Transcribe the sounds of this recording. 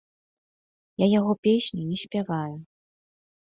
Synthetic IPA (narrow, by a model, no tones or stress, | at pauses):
jajaɣɔpʲesʲnʲinʲɛsʲpʲavaju